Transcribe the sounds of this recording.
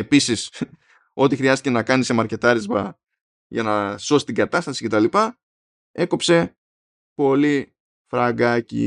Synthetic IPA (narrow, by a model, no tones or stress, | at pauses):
episis | o̞t̪ixɾiɐst̪ice̞nɐkɐnisemɐɾce̞t̪ɐɾizmɐ | ʝɐnɐso̞si̥t̪iŋɡɐt̪ɐst̪ɐsi̥ce̞t̪ɐlipɐ | e̞kopse̞ | po̞li | fɾɐɡɐcḭ